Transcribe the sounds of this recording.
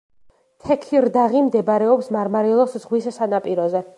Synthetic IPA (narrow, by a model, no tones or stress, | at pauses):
t̪ʰɛkʰiɾd̪aʁimd̪ɛbaɾɛɔpsmaɾmaɾilˠɔszʁwissanapʼiɾɔzɛ